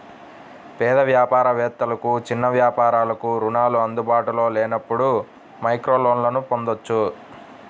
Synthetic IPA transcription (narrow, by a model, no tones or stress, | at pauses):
pɛːd̪ɐʋjaːpaːɾɐʋɛːt̪ːɐlɐkut͡ʃinːɐʋjaːpaːɾaːlɐkuɾunaːluɐnd̪ubaːʈulo̞ːlɛːnɐpːuɽu | mɐjkɾoːloːnlɐnupo̞nd̪ot͡ʃːu